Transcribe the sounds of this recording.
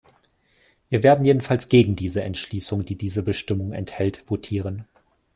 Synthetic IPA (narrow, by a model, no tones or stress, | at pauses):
viːɐveːɐdn̩jeːdn̩falsɡ̥eːɡŋ̩diːzəɛntʃliːsʊŋd̥iːdiːzəbəʃtɪmʊŋɛ̰nthɛltv̥otʰiːʁ̞ən